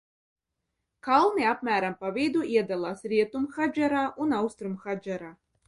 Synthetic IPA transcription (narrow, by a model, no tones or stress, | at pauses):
kalˠnɨapmʲæɾampavʲejd̪uʔiɛd̪alˠasɾʲiɛt̪umxad͡ʒaɾaʔunawst̪ɾumxad͡ʒaɾa